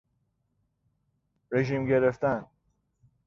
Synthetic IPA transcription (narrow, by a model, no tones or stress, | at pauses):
ɾeʒiːmɟeɾeft̪æn